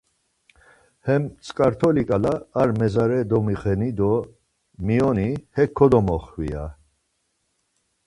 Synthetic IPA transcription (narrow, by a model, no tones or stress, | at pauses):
hɛmt͡sʼkʼaɾt̪ʰɔlikʼalaːɾmɛzaɾɛd̪ɔmiχɛnid̪ɔ | miɔnihɛkʰːɔd̪ɔmɔχwḭja̰